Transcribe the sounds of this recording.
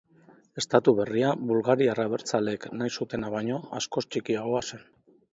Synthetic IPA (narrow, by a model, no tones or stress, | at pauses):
e̞st̪at̪uβe̞riaβulɣaɾiaraβ̞e̞ɾt͡sale̞knajsut̪e̞naβaɲo̞asko̞st͡ʃikiaɣoasen